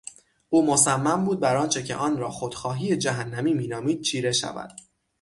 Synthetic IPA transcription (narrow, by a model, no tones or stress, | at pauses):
ʔuːmosæmːæmbuːd̪̚bæɾɒːnt͡ʃʰe̞cʰe̞̰ʔɒːnɾɒːxod̪̥xɒːɦiːje̞d͡ʒæɦænːæmiːmiːnɒːmiːd̪̥̚t͡ʃʰiːɾe̞ʃæ̰væ̰d̪̥